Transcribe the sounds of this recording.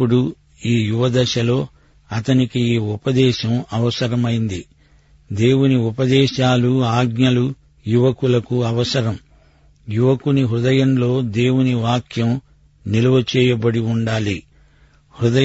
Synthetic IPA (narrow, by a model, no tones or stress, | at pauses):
pːuɽu | iːjuʋɐd̪ɐʃɐlo̞ː | ɐt̪ɐnikiiːupɐd̪ɛːʃɐmɐʋɐsɐɾɐmɐjind̪i | d̪e̞ːwuniupɐd̪ɛːʃaːluaːɡnɲɐlu | juʋɐkulɐkuɐʋɐsɐɾɐm | juʋɐkuniɦɾud̪ɐjɐmlo̞ːd̪e̞ːwuniʋaːkʰjɐm | nilɐʋɐt͡ʃɛːjɐbɐɽiuɳɖaːli | hɾud̪ɐ